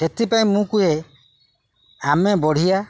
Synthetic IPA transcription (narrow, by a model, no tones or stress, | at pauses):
et̪ipaj̃mũkuɦe | amebɔɽ̤ʱija